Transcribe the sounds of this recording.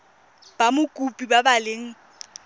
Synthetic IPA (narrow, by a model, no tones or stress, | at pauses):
b̥amʊkʼupʼibabaleŋ̩